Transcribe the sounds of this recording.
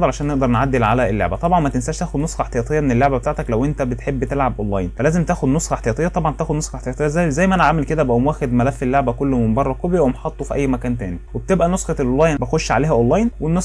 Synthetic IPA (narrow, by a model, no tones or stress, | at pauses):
ɑlʕaʃæːnːeʔd̪ɑɾˤnʕad̪ːelʕa̰læelːḛʕbæt̪ˤɑbʕɑnmæt̪ensæːʃt̪æːxod̪nosˤxɑeħt̪ejæːt̪ˤejːɑmenelːoʕbæbet̪aʕt̪æklæwʔent̪æbet̪ħebːt̪elʕabʔolˤːɑ̰jnfælæːzemt̪æːxod̪nosˤxɑeħt̪ejɑːt̪ejːɑt̪ˤɑbʕɑnt̪æːxod̪nosˤxɑħt̪ejɑːt̪ˤejːæzæjzæjːmæʔænæʕamelked̪æbæʔumwæːxed̪mælæfːelːoʕbækolːmembɑrˤːɑkobjæwemħɑt̪ˤːofiʔæjːmækæːnt̪æːniweb̚t̪ebʔænosxɑelʔolːɑːjnbæxoʃːʕaleːhæʔolːɑjnwenːos